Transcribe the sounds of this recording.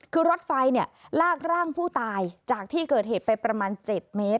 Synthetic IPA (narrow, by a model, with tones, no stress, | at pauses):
kʰɯː˧ɾo˦˥t̪̚fa˧jni˥˩ɐlaː˥˩k̚ɾaː˥˩ŋpʰuː˥˩t̪aː˧jt͡ɕaː˨˩k̚t̪ʰiː˥˩kɤː˨˩t̪̚ɦeː˨˩t̪̚pa˧jpɾa˧maː˧nt͡ɕe˨˩t̪̚meː˦˥t̪̚